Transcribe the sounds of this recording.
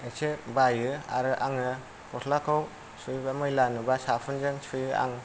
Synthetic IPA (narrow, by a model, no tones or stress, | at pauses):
esʰebajɯa̰ɾɯʔaŋɯ | kɔtʰlakʰɯw | sujbamɯjlanɯbasapʰɯnzɯŋsʰujɯa̰ŋ